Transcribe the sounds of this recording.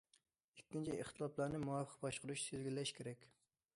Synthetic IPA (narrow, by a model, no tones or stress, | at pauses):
ekʲːint͡ʃʰiʔeχt̪ʰɨlˠɑplˠɑɾnɪmuwɑfə̥qbɑʃqʊɾuʃsezɡʲilːɛʃkʲʰeɾɛkʲ